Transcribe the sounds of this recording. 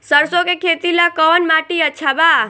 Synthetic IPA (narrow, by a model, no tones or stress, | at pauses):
səɾsokekʰet̪ilakɔnmaʈiətːʃʰaba